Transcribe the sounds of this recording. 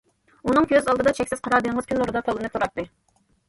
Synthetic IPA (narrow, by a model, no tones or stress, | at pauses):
unɨŋkʲʰøzɑlˠd̪ɨd̪ɑt͡ʃʰɛkʲsɪzqʰɑɾɑːd̪ɨŋʁəz̥kʲynlˠoɾɨd̪ɑt̪ʰɑlˠɨnɨt̪ʰuɾɑt̪ːɨ